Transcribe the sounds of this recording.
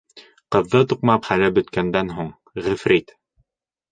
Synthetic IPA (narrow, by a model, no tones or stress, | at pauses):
qɤ̆ðːɤt̪uqmɑpχælɘbɵ̆t̪kænd̪ænɦuɴ | ʁɘ̆fɾit̪